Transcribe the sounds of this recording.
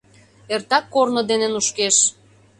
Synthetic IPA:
ert̪ɑkːornod̪enenuʃkeʃ

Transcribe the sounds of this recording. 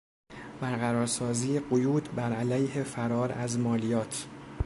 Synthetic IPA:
b̥æɾɣæɾɒːɾsɒːziːjeɢojuːd̪bæɾælæjhefæɾɒːɾæzmɒːlijɒːt̪ʰ

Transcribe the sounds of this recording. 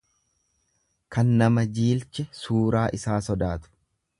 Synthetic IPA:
kɐnːɐmɐd͡ʒiːlt͡ʃɛsuːɾaːʔɪsaːsɔd̪aːt̪ʊ̥

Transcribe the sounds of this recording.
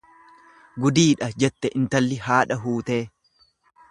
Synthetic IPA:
ɡʊd̪iːᶑɐd͡ʒɛt̪ːɛʔɪnt̪ɐlːɪhaːᶑɐɦuːt̪e̞ː

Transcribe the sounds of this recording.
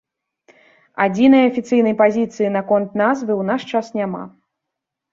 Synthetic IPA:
ad͡zʲinɐjɐɐfʲit̪sɨjnɐjpazʲit̪sɨjinakɔnt̪nazvɨwnaʂt͡ʂasnʲama̰

